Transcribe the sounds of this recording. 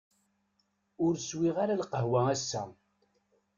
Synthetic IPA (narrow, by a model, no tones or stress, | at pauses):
ʊɾswiʁaɾalqəɦwææsːæ̰